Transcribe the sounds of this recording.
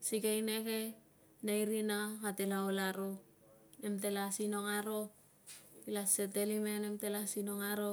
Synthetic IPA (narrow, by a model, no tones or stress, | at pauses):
siɡejneke̞ | najɾinakatelaolaɾo | nemt̬e̞lasino̞ŋaɾo̞ | ilasetelimenemte̞lasinoŋaɾo